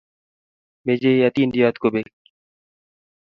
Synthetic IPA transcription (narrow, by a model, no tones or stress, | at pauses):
meːd͡ʒeːjaːt̪iːnɖ̪ijaːt̪kobeːk